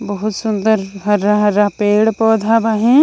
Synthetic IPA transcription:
bɐɦʊt̪sʊnd̪əɾɦɐɾːaɦɐɾːapeːɽpɔːd̪ʱabaːɦẽː

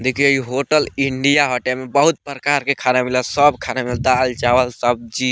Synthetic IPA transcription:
d̪ekʰiiɦoʈəliɳɖijaɦɔʈemebəɦut̪̚pɾəkaɾkekʰanamiləsəbkʰanamild̪ald͡ʒawəlsəb̚d͡ʒi

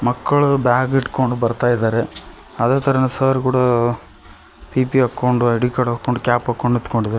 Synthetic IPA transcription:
mɐkːɐɭubaːɡiʈko̞ɳɖubɐɾt̪aːjid̪aːɾe | ɐd̪eːt̪ʰɐɾɐnusɐːɾk̬uːɽɐ | piːpiɐkːoɳɖuɽikɐɽɐkːoɳɖukʲaːpɐkːoɳɖit̪koɳɖid̪aːɾe

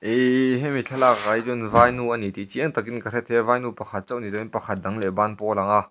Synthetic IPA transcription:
ʔɛɦɛmiɬʰalakːajzunvajnuʔanit̪it͡siɛŋt̪ak̬inkɐɾɛt̪̚hɛvajnupɐkʰɐt̪̚t͡sɔwʔnidɔinpɐkʰɐt̪̚dɐŋlɛbanpɔlaŋa

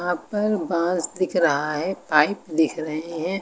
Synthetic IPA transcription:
ɦãpɐɾbãːsd̪ɪkʰɾɐɦaɦɛpaːɪpd̪ɪkʰɾɐɦeɦɛ̃ː

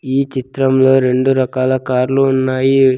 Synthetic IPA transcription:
iːt͡ʃit̪ɾɐmlo̞ːɾe̞ɳɖuɾɐkaːlɐkaːɾluːnːaːji

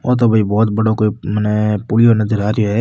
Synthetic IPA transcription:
ɔ̰ːɾt̪̬obʱɐibɔːt̪̚bɐɽokoːimənɛpuːlɪjonɐzəɾaːɾjoɦɛː

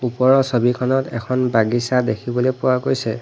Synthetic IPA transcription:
upɔɹɔsobikʰɔnɔtɛkʰɔnbaɡisadekʰibɔlojpʊwakojsɛ

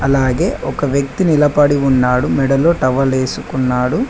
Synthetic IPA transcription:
ɐlaːɡe̞ːʔɔkɐʋjɐk̚t̪inilɐpɐɽiunːaːɽumɛɽɐlo̞ːʈɐʋɐleːsukunːaːɽu

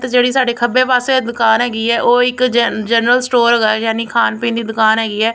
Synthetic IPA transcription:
t̪d͡ʒeːɽiːsaːɖeːkʰəbẽːpaːseːd̪ʊkaːnɦɛːɡiːɛːʔoːɪkd͡ʒɛːnɾəlsʈoːɾɦɡaːjaːniːkʰaːnpĩːnd̪iːd̪ʊkaːnɦɛːɡiːɛː

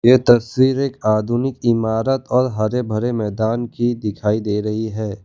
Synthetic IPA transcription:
jet̪ɐswiːɾeːkaːd̪ʱuːnɪkɪmaːɾət̪ɔːɾɦɐɾebʱɐɾemɛːd̪aːnkid̪ɪkʰaːid̪eːɾɐɦiɦɛː

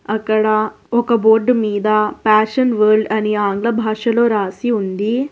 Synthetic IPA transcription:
ɐkːɐɽɐ | ɔkɐboːɾɖmiːd̪ɐpaːʂɐnʋɐːɾɖɐniaːŋɡɭɐbʱaːʂɐloːɾaːsiund̪i

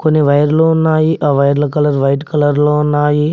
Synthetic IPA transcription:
konːiʋɐjɐɾloːunːaːjiʔɐːʋɐjɐɾlɐk̬ɐlɐɾʋɐjʈkɐlɐɾloːunːaːji

